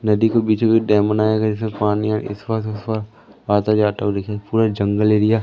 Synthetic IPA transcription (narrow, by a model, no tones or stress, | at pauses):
nɐd̪ikobiːt͡ʃbid̪ɛːmənaːjaɡad͡ʒɪsmẽpaːnia̰ɪ̰sʋɐkt̪ɪswaɾ | aːt̪ad͡ʒaːt̪aɦod̪ekʰapuːɾad͡ʒɐ̃ŋɡəleːɾɪjaː